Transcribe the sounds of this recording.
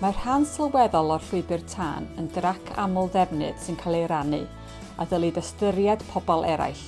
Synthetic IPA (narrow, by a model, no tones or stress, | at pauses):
mar̥hansɪlˠwɛðɔlˠɔr̥ɬwɪbɨrtʰa̰ːnəndrakʰa̰mʊlˠdɛvnɨ̰d̥sɨnkʰalˠeɾanɨ̰ | a̰ðəlˠidəstəɾjad̥pʰɔbɔlˠʔɛɾa̰jθ